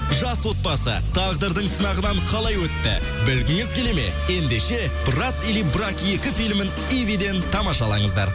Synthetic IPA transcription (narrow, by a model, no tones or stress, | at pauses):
ʒɑswo̞t̪̚pɑsə̰t̪ʰɑʁd̪əɾd̪əɴsənɑʁənɑɴqʰɑlˠɑjwɵt̪ːɪ̰ | bɪlɡʲɪŋɪzkʰʲeleme̞̰je̞nd̪e̞ʃe̞ | brat̪ilibrakje̞kʲɪfijlmɪn | ivid̪e̞nt̪ʰɑmɑʃɑlˠɑ̰ɴəzd̪ɑ̰ɾ